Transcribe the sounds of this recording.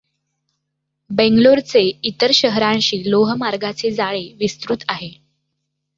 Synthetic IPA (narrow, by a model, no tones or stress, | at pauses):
beŋɡloɾt͡seit̪əɾɕəɦɾãnɕiːloɦəmaɾɡat͡sed͡zaɭeʋist̪ɾut̪aɦe